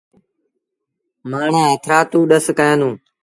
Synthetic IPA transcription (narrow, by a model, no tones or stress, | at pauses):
maːɳ̤ãːɦət̪ʰɾaːt̪ũːɗəskəjãːnũː